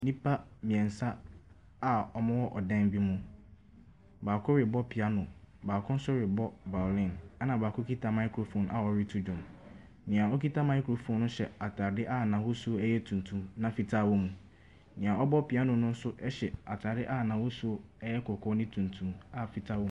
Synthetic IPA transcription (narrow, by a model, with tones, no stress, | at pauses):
nĩ˦pʰa˦mĩ˨ɛ̃˨n̩˨sa˦ | a˨ɔ˨mã˦wɔ˦ʔɔ˨dɛ̃˦mbi˦mũ˦ | baː˨kʰʊ˦ɾɪ˨bɔ˦pʰi˨a˦nʊ̃˨ | baː˨kʰʊ̃˦n̩˦sʊ˦ɾɪ˨bɔ˦ba˨lɪ̃˦˨na˦nã˨baː˨kʰʊ˦kʰi˦tʰa˦mã˦ɪ˦kʰu˨ɾo˨fõ˦n˦a˦˨ɔ˨ɾi˦tʰu˦d͡ʑᶣʊ̃˨m | nɪ̃˨a˨ɔ˦kʰi˦tʰa˦mã˨˦ɪ˦kʰu˨ɾo˨fũ˦nʊ̃˦ɕɛ̰˨a˨tʰaː˨dɪ˦ʔa˦nã˨wʊ˦su˦o˦ɛ˦jɛ˦tʰũ˨ntʰũ˨mnã˨fi˨tʰa˦˨wo˦mũ˨ | nɪ̃˨ã˨ɔ˦bɔ˦pʰi˨a˦nʊ̃˨nʊ̃˦n̩˦sʊ˦ʔɛ˦ɕɛ˨a˨tʰaː˨dɪ˦ʔa˦˨nã˨wo˦su˦ɛ˦jɛ˦kʰɔ˨kʰɔ˦nɪ̃˦tʰũ˨ntʰũ˨ma˦˨fi˨tʰa˦wo˦˨˦